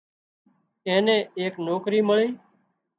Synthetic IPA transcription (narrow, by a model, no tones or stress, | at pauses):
ẽːnẽːeːknoːkɾiːməɭiː